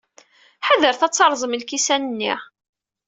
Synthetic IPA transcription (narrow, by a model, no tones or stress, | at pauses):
ħaðəɾθæt͡sːɑɾˤzˤəməlkisænənːḭʁ